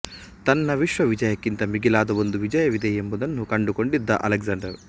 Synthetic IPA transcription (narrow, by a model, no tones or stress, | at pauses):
t̪ɐnːɐʋiʂʋɐʋid͡ʒɐjɐkːint̪ɐmiɡilaːd̪ɐʋond̪uʋid͡ʒɐjɐʋid̪ɛːembud̪ɐnːukɐɳɖukoɳɖid̪ːɐ̰ʔɐ̰lɐɡzɐɳɖɐɾ